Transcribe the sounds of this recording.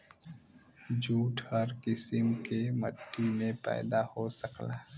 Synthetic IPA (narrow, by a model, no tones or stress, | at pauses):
d͡ʒuːʈhɐɾkɪsɪmkeməʈːimẽpɛ̰ːd̪ahosəklaː